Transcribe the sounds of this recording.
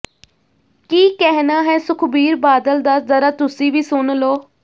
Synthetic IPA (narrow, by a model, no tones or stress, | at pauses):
kiːkɛɦnaːɦɛːsʊkʰbiːɾbaːd̪əld̪aːzəɾaːt̪ʊsĩːʋiːsʊnloː